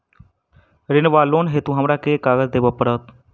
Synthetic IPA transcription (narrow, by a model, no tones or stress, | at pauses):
ɾɪnʋaːloːnɦeːt̪ũːɦɐmɾaːkeːkaːɡəzd̪eːbəpːəɽəːt̪